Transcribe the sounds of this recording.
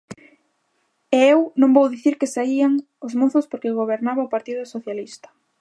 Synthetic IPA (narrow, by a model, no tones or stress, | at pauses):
eewnõmbowðiθiɾkɪsaiaŋ | ʊzmoθʊspoɾkɪɣoβ̞eɾnaβɐopaɾt̪iðʊsoθjalist̪ɐ̥